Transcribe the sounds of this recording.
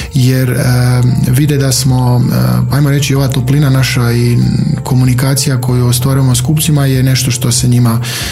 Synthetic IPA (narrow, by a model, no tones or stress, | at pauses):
jeɾəʋid̪ed̪asmo̞aːjmo̞ɾe̞t͡ɕio̞ʋat̪oplinanaʃaikʰo̞munikaːt̪sijakʰo̞juost̪ʋaːɾujemoskup̪simajene̞ʃt̪o̞ʃt̪o̞seɲima